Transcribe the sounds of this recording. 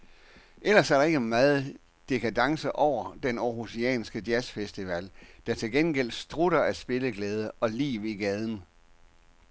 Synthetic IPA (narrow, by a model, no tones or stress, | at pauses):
ʔelɐsæɐɾ̥ɑ̈e̝ɡ̥əmɑ̈ːð̩ˠ | d̥e̝kʰæd̥ɑ̈ŋsəʔɒʊ̰ɐd̥enɒhusiɛ̰ːnsɡ̥əd̥jæsfesd̥iʋæ̰l̰d̥ɑ̈t͡sʰe̝lɡ̥enɡ̥el̰d̥sd̥ʁuɾ̥ɐæsb̥e̝ləɡ̥lɛːð̞ˠəɒ̽lḭːʋiɡ̥ɛð̞ˠn̩